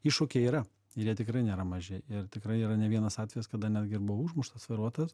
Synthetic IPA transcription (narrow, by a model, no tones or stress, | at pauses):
iʃukʲeiːɾɐ | ɪɾjiɛt̪ʲɪkrɐɪnʲeːɾɐmɐʒʲɪɪrt̪ʲɪkɾɐɪiːɾɐnʲɛʋʲiɛnɐsɑːt̪ʲʋʲɛjɛskɐd̪ɐnʲæːd̪ʲɡʲɪɪrbʊʋɐuːʒmʊʃt̪ɐsʋɐɪɾuɔt̪ɐs